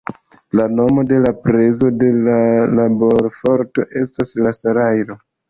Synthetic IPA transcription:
lano̞mo̞de̞lapɾe̞zo̞de̞lalabo̞ɾfo̞ɾto̞ʔe̞staslasaɾajɾo̞

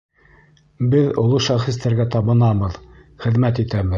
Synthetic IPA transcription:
bɘðŏlˠoʃɑχĭs̬t̪æɾɡæt̪ɑβɤ̆nɑβɤð | χɘ̆ðmæt̪it̪æβɘð

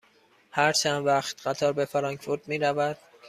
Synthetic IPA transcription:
hæɾt͡ʃʰænd̪væχt̪ɢæt̪ʰɒːɾbefeɾɒːŋkfuɾtd̪̥miːɾævæd̪̥̚

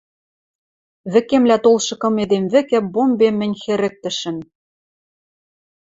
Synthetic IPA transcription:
βɘ̆kemlæt̪olˠʃɤ̆kɤ̆med̪emvɘ̆kɘ̆bombemːɘ̆nʲxɘ̆ɾɘ̆k̚t̪ɘ̆ʃɘ̆n

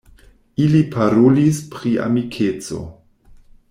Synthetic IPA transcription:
ilipʰaɾolispɾia̰mikʰet͡so̞̰

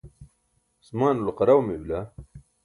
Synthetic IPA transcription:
smaːnulqɑɾawmebla

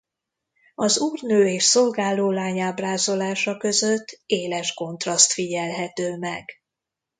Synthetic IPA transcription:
ɒzuːrnøːeːʃso̞lɡaːloːlaːɲaːbraːzo̞laːʃɒkø̞zøt̪ʰːeːlɛʃko̞nt̪rɒst̪fiɟɛlɦɛt̪øːmɛɡ̥

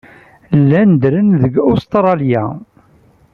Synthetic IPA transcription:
lːænd̪ɾənðəɡʊst̪ɾˤɑlja̰

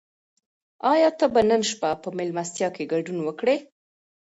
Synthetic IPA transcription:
ɑjɑt̪abanənʃpapəmɪlmast̪jɑkeɡaɖunwəkɽe

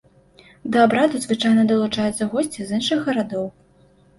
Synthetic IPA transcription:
d̪ɐabɾad̪uzvɨt͡ʂajnɐd̪ɐlˠut͡ʂajɛt̪sːɐɣɔsʲt͡sʲizɨnʂɨɣːɐɾad̪ɔw

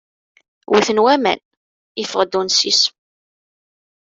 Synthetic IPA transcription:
wiθənwæmæ̰n | ifəʁd̪unsis

